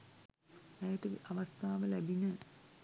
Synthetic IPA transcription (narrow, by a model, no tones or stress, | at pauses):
ɛjəʈəʋiʔaʋast̪ʰaːʋəlæbinə